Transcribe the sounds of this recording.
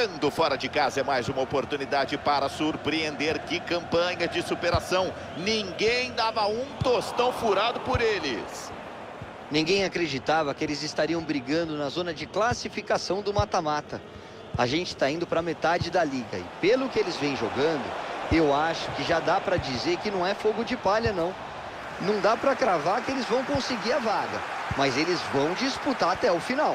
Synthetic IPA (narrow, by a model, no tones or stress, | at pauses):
ɐ̃nd̪ʊfɔɾɐd͡ʒɪkazɐɛmajzũmɐopoɾt̪unid̪ad͡ʒɪpaɾɐsuɾpɾiẽnd̪eɾkɪkɐ̃mpɐ̃ɲɐd͡ʒɪsupeɾasɐ̃w̃ | nĩŋɡẽj̃d̪avɐũt̪ost̪ɐ̃w̃fuɾad̪ʊpoɾelɪ̰s | nĩŋɡẽj̃akɾed͡ʒit̪avɐkɪelɪzɪst̪aɾiɐ̃w̃bɾiɡɐ̃nd̪ʊnɐzõnɐd͡ʒɪklasifikasɐ̃w̃d̪ʊmat̪amat̪ɐ | aʒẽnt͡ʃɪ̥t̪aĩnd̪ʊpɾɐmet̪ad͡ʒɪd̪ɐliɡɐ̰ɪ̰pelʊkɪelɪzvẽj̃ʒoɡɐ̃nd̪ʊ̰ewaʃʊ̥kɪʒad̪apɾɐd͡ʒizeɾkɪnɐ̃w̃ɛfoɡʊd͡ʒɪpaʎɐnɐ̃w̃ | nɐ̃w̃d̪apɾɐkɾavaɾkɪelɪzvɐ̃w̃kõsɪɡiɾɐvaɡɐ̰ | mɐzelɪzvɐ̃w̃d͡ʒisput̪aɾat̪ɛʊfinaw